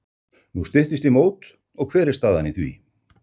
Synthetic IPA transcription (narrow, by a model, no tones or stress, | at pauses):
nust̪ɪht̪ɪst̪imoːwt̪ | ɔɣkʰvɛːɾɪst̪θaðanːiθvḭ